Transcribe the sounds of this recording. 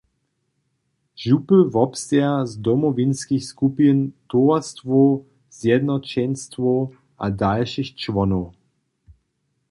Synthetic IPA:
ʒupəvɔpst̪ɛazdɔmɔvinskixskupənt̪ɔast̪vɔ | z̥jɛd̪nɔt͡ɕɛnstvɔ | ʔa̰dalʃixt͡ʃvɔnɔw

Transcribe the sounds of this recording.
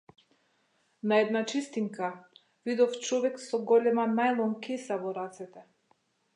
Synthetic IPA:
naɛd̪nat͡ʃist̪iŋka | vid̪ɔft͡ʃɔvɛksɔɡɔlɛmanajlˠɔŋkɛsavɔɾat̪sɛt̪ɛ

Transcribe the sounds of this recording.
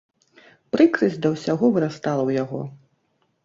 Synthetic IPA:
pɾɨkɾɨzʲd̪ɐwsʲaɣɔvɨɾast̪alˠɐwjaɣɔ̰

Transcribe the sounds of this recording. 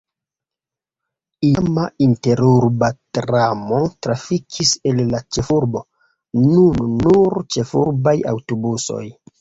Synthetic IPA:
iamainte̞ɾuɾbatɾamo̞tɾafikʰise̞lːat͡ʃe̞fuɾbo̞ | nunːuɾt͡ʃe̞fuɾbaja̰wtobuso̞̰j

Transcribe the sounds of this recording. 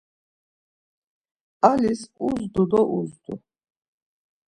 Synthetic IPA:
alisuzd̪ud̪ɔʔuzd̪ṵ

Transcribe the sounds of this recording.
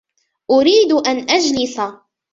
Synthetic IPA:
ʔʊɾiːd̪ʔanʔad͡ʒlɪsa

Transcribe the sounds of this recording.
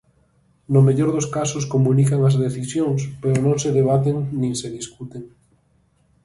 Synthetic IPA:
nomeʎoɾðoskasoskomũnikaŋazðeθisjoŋspeɾonõŋseðeβ̞at̪eŋnĩŋseðiskut̪eŋ

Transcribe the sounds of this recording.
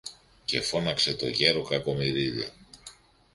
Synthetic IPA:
ce̞̰fo̞nɐkse̞t̪o̞̰ʝe̞ɾo̞kɐko̞miɾiðḭ

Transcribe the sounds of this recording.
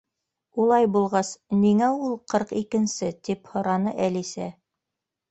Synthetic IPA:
ulˠɑjbulˠʁɑsniŋæulˠqɤɾqikɘ̆nsɘt̪iphŏɾɑnɤʔælisæ

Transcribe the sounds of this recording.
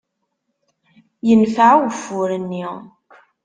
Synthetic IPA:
jənfaʕwəfːʊɾənːi

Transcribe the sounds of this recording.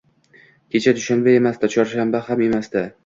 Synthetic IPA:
kʲʰe̞t͡ʃʰad̪ʊʃanbae̞masd̪at͡ʃʰɒɾʃambahame̞masd̪a

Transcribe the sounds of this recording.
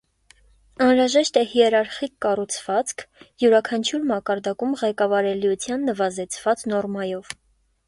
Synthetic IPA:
ɑnɾɑʒɛʃt̪ɛhiɛɾɑɾχikːɑrut͡sʰv̥ɑt͡skʰjuɾɑkʰɑnt͡ʃʰjuɾmɑkɑɾd̪ɑkumʁɛkɑvɑɾɛliut͡sʰjɑnːəvɑzɛt͡sʰv̥ɑt͡snɔrmɑjɔv

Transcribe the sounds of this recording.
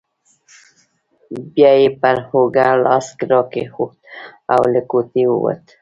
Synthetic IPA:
bjɑjepəɾhoɡalɑskɾɔkexot̪̚awləkot̪iwə̰wə̰t̪

